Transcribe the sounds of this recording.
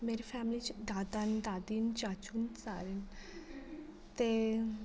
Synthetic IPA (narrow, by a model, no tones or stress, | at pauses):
meɾifɛmlit͡ɕd̪ad̪and̪ad̪iːnt͡ɕat͡ʃunt͡saɾen | t̪e